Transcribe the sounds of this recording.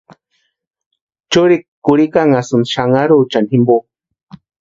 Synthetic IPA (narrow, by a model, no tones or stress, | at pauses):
t͡ʃuɾikkːuɾikaŋasunʃaŋaɾut͡ʃanhimbo